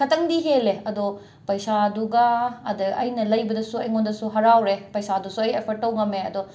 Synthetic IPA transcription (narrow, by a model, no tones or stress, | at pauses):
kʰɐtːɐŋdiɦeleɐdo | pɐjsaduɡɐːdɐɐjnɐlɐjbɐdɐsuɐjŋondɐsuɦɐɾawɾepɐjsadusuɐjepʰɐɾ̚ːɐwɡɐmeɐdo